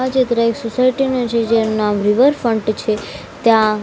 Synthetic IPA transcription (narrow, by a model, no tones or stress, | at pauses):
ad͡ʒet̪ɾaeksosaiʈinot͡ʃʰed͡ʒanunamɾiʋəɾfəɳʈt͡ʃʰe | t̪jã